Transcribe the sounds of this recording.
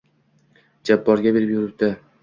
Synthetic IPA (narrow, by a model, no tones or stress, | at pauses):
d͡ʒabːɒɾɡʲabe̞ɾɪpjʊɾɪɾ̚d̪ɪ